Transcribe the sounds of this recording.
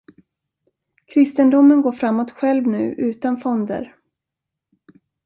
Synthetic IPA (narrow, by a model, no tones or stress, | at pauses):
kʰɾɪst̪ənd̪ʊmːənɡoːɾfɾamːɔt̪ɧɛlvnʉ̟̰ːʔʉ̟ːt̪anfɔnd̪ə̰ɾ